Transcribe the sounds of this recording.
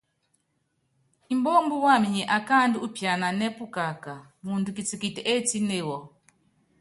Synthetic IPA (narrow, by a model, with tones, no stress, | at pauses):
i˨mbɔ˦mbu˦wa˦˨mi˨ɲɛ˨ʔa˨ka˦ndi˦u˦pja˨na˨nɛ˦pu˦ka˨ka˨ | mu˨ntu˨ki˨t͡si˨ki˨tɛ˨ʔɛ˦ti˦ne˦˨wɔ˨